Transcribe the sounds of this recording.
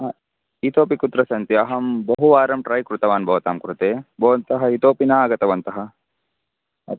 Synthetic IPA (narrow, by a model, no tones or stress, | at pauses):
ɦɐ | it̪oːpikut̪ɾɐsɐnt̪iɐɦɐmbɐɦuʋaːɾɐmʈɾɐjkɾut̪ɐʋaːnbɐʋɐt̪aːmkɾut̪eːbɐʋɐnt̪ɐɦɐit̪oːpinaːɡɐt̪ɐʋɐnt̪ɐɦɐ | ɐ̰